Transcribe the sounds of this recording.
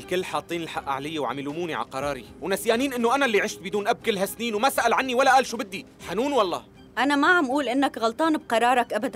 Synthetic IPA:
ɪlkɪlːħɑːt̪ˤːiːnɪlħaʔːʔa̰ʕlɪjːewʕa̰mɪluːmuːniʕa̰qɑɾˤɑːɾˤiwnasjaːniːnʔɪnːoʔanalːiʕɪʃt̪̚bɪd̪uːnʔab̚kɪlɦasniːnwmasaʔalʕanːiwalːaʔaːlʃuːbɪd̪ːi | ħanuːnwɑlˤːɑ̰ː | ʔanamaʕamʔuːlʔɪnːakɣɑlt̪ˤɑːnɪb̚qɑɾˤɑːɾˤɑkʔabad̪an

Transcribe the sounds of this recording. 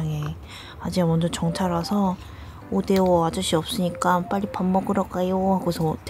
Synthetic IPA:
ŋe | ad͡ʑiamʌnd͡ʑʌt͡ɕʌŋt͡ɕʰaɾasʰʌ | ode̞oad͡ʑuɕʰiʌp̚s͈ɯɲik͈ap͈aʎːipamːʌɡɯɾʌk͈ajohaɡosʰʌt

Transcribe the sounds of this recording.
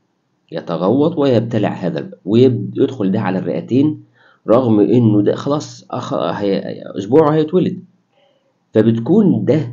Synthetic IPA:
jɑt̪ɑɣɑwːɑt̪ˤwejæb̚t̪ælḛʕhæːðæ̰læwejebjed̪xold̪æʕalærːḛʔæt̪eːn | ɾˤɑɣmʔenːod̪æxɑlɑːsˤxɑ̰hæʔo̰sbuːʕhæjet̪welɪd̪ | fæbet̪kuːnd̪æ

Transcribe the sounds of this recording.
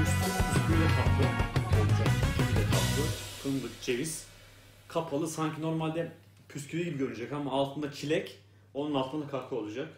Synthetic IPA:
ystʰipʰyscʰʲylʲɛkʰaplˠɯoud͡ʒakicʰimid̪ɛkʰapkɯpʰɯnd̪ɯkd͡ʒe̞viz | kʰapʰalˠɯsaɲcʰino̞ɾmalʲd̪ɛ | pʰyscʰylʲiɟibiɟøɾynyd͡ʒɛkhamːaːlˠt̪ʰɯnd̪acʰilʲɛc | o̞nunalˠt̪ʰɯnd̪akʰaɾkʰɯo̞lˠud͡ʒak̚

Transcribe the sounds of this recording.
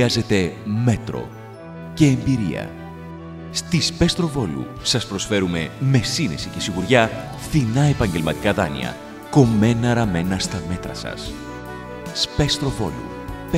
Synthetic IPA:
ɐze̞t̪e̞me̞t̪ɾo̞̰ | ce̞ːmbiɾḭɐ̰ | st̪ispe̞st̪ɾo̞vo̞lṵ | sɐspɾo̞sfe̞ɾume̞me̞sinesice̞siɣuɾʝɐ | θinɐe̞pɐɲɟelmɐt̪i̥kɐðɐnḭɐ̰ | ko̞me̞nɐɾɐme̞nɐst̪ɐme̞t̪ɾɐsɐ̰s | spe̞st̪ɾo̞vo̞̰lṵ

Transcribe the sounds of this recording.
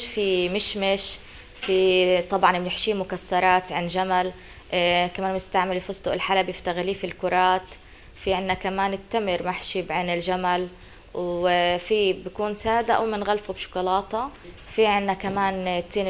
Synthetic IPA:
fimɪʃmɪʃ | fit̪ˤɑbʕɑnmnɪħʃiːmʊkasːɑɾˤɑːt̪ʕɪnʒamal | kamaːnmɪst̪aʕmɪlfʊsˤt̪ʊʔɪlħalabɪft̪aɣliːfilkʊɾˤɑːt̪ | fiʕɪnːakamaːnɪt̪ːamɪɾmaħʃiːbʕɪnɪlʒamal | wfibakuːnsaːd̪aʔwmɪnɣalfubʃʊ̥kʊlɑːt̪ɑ | fiʕɪnːakamaːnt̪ːiːn

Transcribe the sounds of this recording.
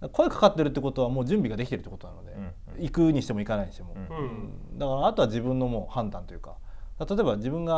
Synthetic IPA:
d̪̥ako̞ekḁkat̪ːeɾɯ̟t̪ːeko̞t̪o̞β̞amo̞ːd͡ʑɨ̃mbʲiɡad̪e̞kʲit̪eɾ̟ːeːkot̪onanod̪e | ikɯɲ̟iɕi̥t̪e̞mo̞ikanaiɲ̟iɕit̪emo̞̰ɯ̃d̪akaɾaːt̪o̞βad͡ʑibɯ̟̃nːo̞mo̞ːhãnd̪ãnt̪o̞jɯ̟ka̰d̥̪at̪at̪oebad͡ʑibɯ̟̃ŋɡa

